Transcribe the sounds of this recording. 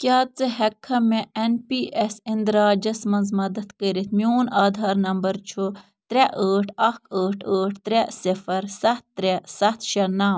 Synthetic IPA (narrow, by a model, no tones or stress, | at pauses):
kʲjaːt͡sɨɦɛkʰːɐmeenpiːʔesind̪ɾaːd͡ʒɐsmɐnzmɐd̪ɐt̪kəːɾit̪̚ʰmjoːnaːd̪ʱaːɾnɐmbɐɾt͡ʃʰu | t̪ɾɛʔəːʈʰɐkʰəːʈʰəːʈʰt̪ɾɛsifɐɾsɐt̪̚ːɾɛsɐt̪ʰʃɐnaːm